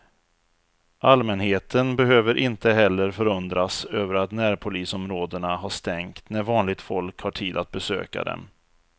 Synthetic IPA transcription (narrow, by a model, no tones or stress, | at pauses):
ʔalmɛnheːt̪ʰənbɛɦøːvəɾʔɪnt̪əɦɛlːəɾfœɾɵnd̪ɾasøːvəɾat̪næːɾpʰʊliːsɔmɾoːd̪əɳaɦaʂt̪ɛŋkt̪næɾvɑːnlɪɡ̚t̪fɔlkhaʈʰiːd̪at̪̚bɛsø̰ːka̰d̪ɛ̰m